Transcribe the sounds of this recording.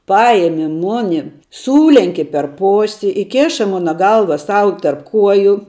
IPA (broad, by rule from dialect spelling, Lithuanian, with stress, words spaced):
ˈpɑːjɛmʲɪ ˈmoːnʲɪ ˈsuːlʲɛŋʲkʲɪ pʲɛr ˈpoːsʲɪ ɪˈkʲeːʃɐ ˈmoːnɐ ˈɡɐlˠʋɐ ˈsɐʊ tɐrp ˈkuɔjʊ